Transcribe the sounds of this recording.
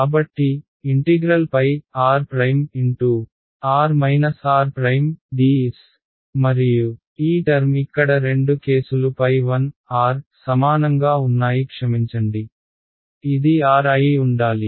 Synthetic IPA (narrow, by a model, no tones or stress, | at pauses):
kaːbɐʈːi | iɳʈiɡɾɐlpɐjaːɾpɾɐjmiɳʈuː | aːɾmɐjnɐsaːɾpɾɐjmɖiːs | mɐɾiju | iːʈɐɾmikːɐɽɐɾe̞ɳɖuke̞ːsulupɐjʋɐnaːɾsɐmaːnɐŋɡaːunːaːjikʂɐmiɲt͡ʃɐɳɖi | id̪iaːɾɐjiuɳɖaːli